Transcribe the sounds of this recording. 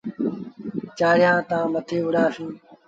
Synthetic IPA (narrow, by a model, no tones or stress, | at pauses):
t͡ʃaːɽ̤ɪjãːt̪ãːmət̪ʰeːʋʊɽaːsĩː